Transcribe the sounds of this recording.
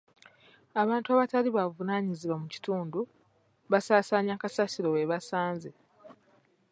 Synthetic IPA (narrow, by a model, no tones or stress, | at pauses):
aβaːntuaβataliβavunaːɲiziβwamuci̥tuːndu | βasaːsaːɲakasasiɾo̞weβasaːnze